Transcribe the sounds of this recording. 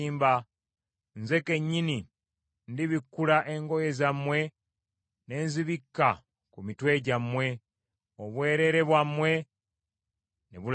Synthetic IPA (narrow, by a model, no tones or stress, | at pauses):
iːmba | nze̞ke̞ɲːini | ndiβikːulaʔe̞ŋɡo̞je̞zamwe̞ | ne̞ːnziβikːa | kumitwe̞ːɟamwe̞ | oβwe̞ːɾe̞ɾe̞βwamwe̞ | neβul